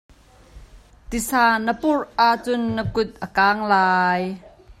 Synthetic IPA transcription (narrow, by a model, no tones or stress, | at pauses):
t̪isaːnəpʊrʔaʔt͡sʊnːəkʊt̪̚ʔəkaːŋlaːj